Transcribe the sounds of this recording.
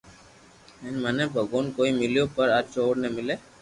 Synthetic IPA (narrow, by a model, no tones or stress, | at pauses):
ɛnmɛnebʱəɡoːnkoːimɪljopəɾat͡ʃoːɽnemɪleː